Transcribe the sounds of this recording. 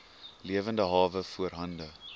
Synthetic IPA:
liəvəndəɦɑːvəfuərɦɐndə

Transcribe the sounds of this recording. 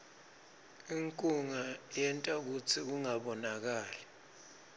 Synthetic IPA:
iŋkʼuŋajɛntʼak̬ut͡sʰik̬uŋaɓɔnak̬aːlɛ

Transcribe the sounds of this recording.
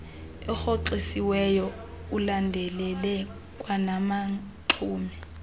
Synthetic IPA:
ɛxoǃisiwɛjɔ | ulandʱɛlɛlɛ | kʼwanama | ǁʰuːmɛ

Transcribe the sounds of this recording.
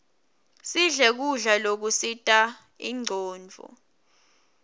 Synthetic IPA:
siɮɛk̬uɮalok̬usitʼa | ḭŋ͡ǀʱɔːnd͡vʱɔ̰

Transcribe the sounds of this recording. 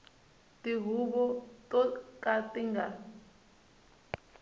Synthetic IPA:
tʼiɦuɓɔtʼɔkʼatʼiŋɡa

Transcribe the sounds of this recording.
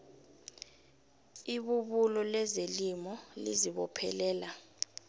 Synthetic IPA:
iɓuɓulɔlɛzelimɔlḭziɓɔpʰɛ̰lɛːla

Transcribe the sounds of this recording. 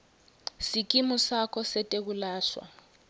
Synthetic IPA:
sik̬ʼimusakʰɔsɛtʼek̬ulaːʃwa̰

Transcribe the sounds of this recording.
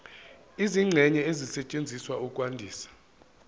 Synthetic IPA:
iziŋ͡ǀʱɛɲɛezisɛt͡ʃʼend͡zʱiswaukʼwandʱiːsḁ

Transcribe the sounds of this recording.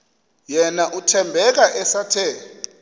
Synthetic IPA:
jɛnaʔutʰɛmbʱɛk̬aʔɛsatʰɛ

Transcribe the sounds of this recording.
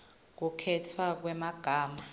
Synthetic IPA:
k̬ukʰɛtʰwak̬wɛmaɡ̥ʱaːma

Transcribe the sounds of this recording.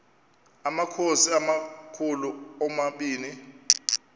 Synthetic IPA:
amakʰosiamakʰuluɔmaɓiːni

